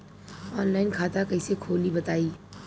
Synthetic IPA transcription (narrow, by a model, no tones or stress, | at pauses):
ɔːnlaːɪnkʰaːt̪akɐisekʰoːlibɐt̪aːiː